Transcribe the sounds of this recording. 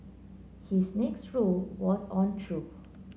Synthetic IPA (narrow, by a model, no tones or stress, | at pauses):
hisnɛksɹolwɔsɔ̃ntʰɹup